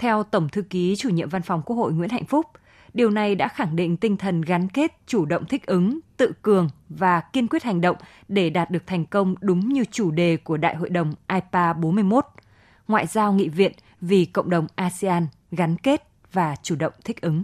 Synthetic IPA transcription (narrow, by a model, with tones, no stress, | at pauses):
t̪ʰɛ˧wt̪ə˧˩wŋ͡mt̪ʰɨ˧ki˨˦t͡ɕu˧˩ɲḭ˧˨əmva˧nfɔ˨wŋ͡mku˦˥ək̚ho̰˧˨jŋwḭ˧˥nha̰˧˨jŋ̟fʊ˦˥k͡p̚ | ɗi˨˩əwna˨˩jɗa̰ː˧˥xa˧˩ŋɗḭ̈˧˨ŋ̟t̪ï˧ŋ̟t̪ʰə˨˩nɣa˨˦nke˦˥t̚t͡ɕu˧˩ɗə̰˧˨wŋ͡mt̪ʰï˦˥k̟̚ʔɨ˨˦ŋt̪ɨ̰˧˨kɨ˨˩əŋvaː˨˩ki˧ənkwi˦˥ət̚ha˨˩jŋ̟ɗə̰˧˨wŋ͡m | ɗe˧˩ɗaː˨˩t̚ɗɨ˨˩ək̚t̪ʰɛ˨˩ŋ̟kə˧wŋ͡mɗʊ˨˦ŋ͡mɲɨ˧t͡ɕu˧˩ɗe˨˩ku˧˩əɗa̰ː˧˨jɦo̰˧˨jɗə˨˩wŋ͡mʔaː˧jpaː˧ɓo˨˦nmɨ˧əjmo˦˥t̚ | ŋwa̰ː˧˨jzaː˧wŋḭ˧˨vḭ˧˨ən | vi˨˩kə̰˧˨wŋ͡mɗə˨˩wŋ͡mʔaː˧si˧aː˧n | ɣa˨˦nke˦˥t̚ | vaː˨˩t͡ɕu˧˩ɗə̰˧˨wŋ͡mt̪ʰï˦˥k̟̚ʔɨ˨˦ŋ